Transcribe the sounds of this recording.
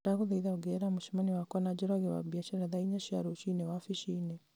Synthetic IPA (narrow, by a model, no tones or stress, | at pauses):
daɣuðaiðauɡɛɾamuʃimaniwakwanad͡ʒɔɾaɣewa̰biaʃɛɾaðaiɲaʃiaɾuʃinɛwafiʃinɛ